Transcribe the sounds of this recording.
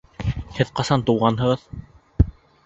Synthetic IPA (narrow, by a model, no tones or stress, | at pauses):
hɘðqɑsɑnt̪uwʁɑnɦɤ̆ʁɤð